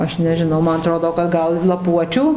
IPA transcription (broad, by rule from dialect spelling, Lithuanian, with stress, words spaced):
ˈɐʃ nʲɛʒʲɪˈnɐʊ ˈmɐn ɐˈtroːdoː kɐt ˈɡɐlˠ lˠɐˈpuɔt͡ʃʲʊ